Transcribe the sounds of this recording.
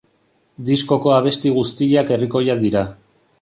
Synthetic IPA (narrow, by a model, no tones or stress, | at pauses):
d̪isko̞ko̞aβ̞e̞st̪iɣust̪iʎake̞riko̞jaðiɾa